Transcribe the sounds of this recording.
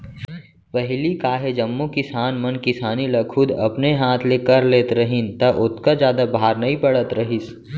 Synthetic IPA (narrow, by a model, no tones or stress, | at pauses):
ʋɐɦɪlikaːɦed͡ʒɐmːukɪsaːnmɐnkɪsaːnilɐkʰʊd̪ɐ̰pneɦaːt̪ʰlekɐɾleːt̪ɾɐɦɪnt̪ɐʔʊt̪ʰkad͡ʒjaːd̪abaːɾnɐɦĩpɐɽət̪ɾɐɦis